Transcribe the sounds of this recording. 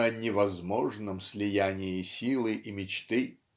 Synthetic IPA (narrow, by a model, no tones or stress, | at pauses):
ənʲɪvɐzmoʐnəmsʲlʲɪjænʲɪjɪsʲilˠɨʔimʲɪt͡ɕt̪ɨ